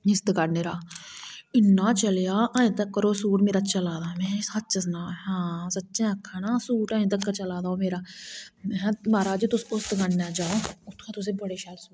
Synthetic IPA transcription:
ɪst̪kaɽneɾaː | ɪnːaːt͡ʃəlejaːʔãːĩt̪ɐkːəɾoːsuːʈmeːɾat͡ʃɐlaːd̪aːmɛ̃ːsat̪̚t͡ʃɐsnaːɦãːsɐtːʃẽɐkʰːanaːsuːʈãːĩt̪̬ɐkːəɾt͡ʃɐlaːd̪aːomeːɾaːmɛ̃maːɾaːd͡ʒit̪ʊspost̪ɡaɽnad͡ʒaːoʊt̪ʰkʰat̪ʊs̬ebəɽeʃaːlsuː

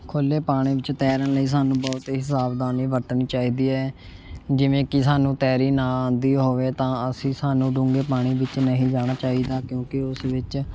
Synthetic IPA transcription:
kʰoleːpaːɽ̃ĩːʋɪt͡ʃt̪ɛːɾənləiːs̬aːnũːbɔːt̪eɦɪsaːbd̪aːniːʋəɾt̪niːt͡ʃaːiːd̪iːɛː | d͡ʒɪʋẽːkɪsaːnũːt̪ɛːɾiːnãːãːnd̪iːɦoːʋeːt̪ãːəsĩːsaːnũːɖʊ̃ːŋɡeːpaːɽ̃iːʋɪt͡ʃnəɦĩːd͡ʒaːɽ̃aːt͡ʃaːiːd̪aːkjõːkɪʊsʋɪt͡ʃ

